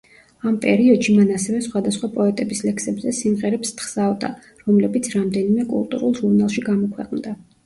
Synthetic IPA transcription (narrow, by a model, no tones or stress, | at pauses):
ampʼɛ̰ɾiɔd̪̥ʃimanasɛvɛsχwad̪asχwapʼɔɛt̪ʼɛbislɛksɛbzɛsimʁɛɾɛpst̪χsavd̪a̰ | ɾɔmlɛbit̪sʰɾamd̪ɛnimɛkʼṵlˠt̪ʼṵɾulˠʒuɾnalˠʃiɡamɔkʰwɛqʼmd̪a